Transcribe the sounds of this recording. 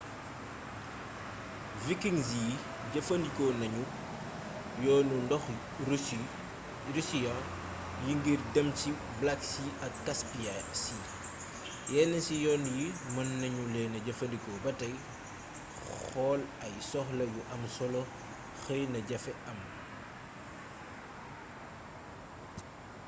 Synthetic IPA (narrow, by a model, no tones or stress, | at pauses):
vikiŋziji | ɟɐfɐndikɔnɐɲu | jɔːnundɔx | ɾisija | juŋɡirdɐmci | blɐksiɐkːɐspijasi | jɛːnɐsijɔːnjimɐnːɐɲulɛnɐɟɐfɐndikɔbɐtɐj | xɔːlɐjsɔxlɐjuʔɐmsɔlɔ | xəjnɐɟɐfɛʔɐm